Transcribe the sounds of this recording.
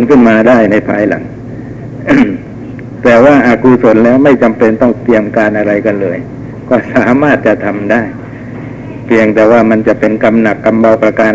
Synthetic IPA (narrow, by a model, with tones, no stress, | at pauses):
nkʰɯ˥˩nmaː˧daː˥˩jna˧jpʰaː˧jla̰˨˩˦ŋ | t̪ɛː˨˩waː˥˩ʔa˧kuː˧so˨˦˥nlɛː˦˥wma˥˩jt͡ɕa˧mpe˧nt̪ɔ˥˩ŋt̪i˧əmkaː˧nʔa˧ɾa˧jka˧nlɤː˧j | kɔː˥˩saː˨˦maː˥˩t̪̚t͡ɕa˧˩t̪ʰa˧mdaː˥˩j | pʰi˧əŋt̪ɛː˨˧waː˥˩ma˧nt͡ɕa˨˧˩pe˧nka˧mna˨˩kːa˧mba˧wpɾa˧kaː˧n